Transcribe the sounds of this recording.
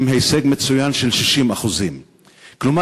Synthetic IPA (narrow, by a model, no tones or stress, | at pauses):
mɦejseɡme̞t͡sujanʃe̞lʃiʃimaχuzim | kluma